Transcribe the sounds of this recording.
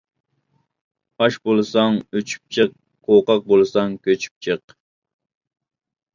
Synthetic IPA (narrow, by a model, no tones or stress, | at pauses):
ɑʃbolˠɨsɑŋøt͡ʃʰy̥p̚t͡ʃʰəq̚ːʰ | oqɑq̚bolˠɨsɑŋkʲʰøt͡ʃʰy̥p̚t͡ʃʰəq